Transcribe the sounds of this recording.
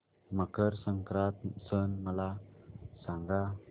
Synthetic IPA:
makəɾsəŋkɾat̪̚sənmalasaŋɡa

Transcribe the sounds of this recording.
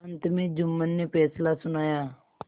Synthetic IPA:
nt̪əmid͡ʒumːənːipɛːslasʊnaːja

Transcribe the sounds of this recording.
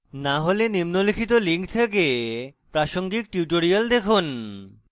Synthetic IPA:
naɦolenimnolikʰit̪oliŋk̚t̪ʰek̬epɾaʃoŋɡik̚ʈjuʈoɾiald̪ekʰun

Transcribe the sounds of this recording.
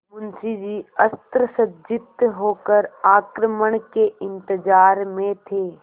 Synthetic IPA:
mʊnsid͡ʒiːəst̪ɾəsəd͡ʒɪt̪ɦoːkəɾaːkɾəməɳ̃keɪ̃nt̪ɪd͡ʒaːɾmẽt̪ʰeː

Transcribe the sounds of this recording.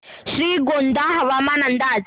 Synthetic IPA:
ʂiɡɔnd̪aɦaβamanand̪ad͡z

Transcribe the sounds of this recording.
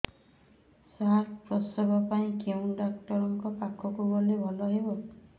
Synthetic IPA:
saɾpɾɔsɔbɔpaĩkeũɖak̚ʈɔɾɔŋkɔpakʰɔkuɡɔlebʱɔlɔɦebɔ

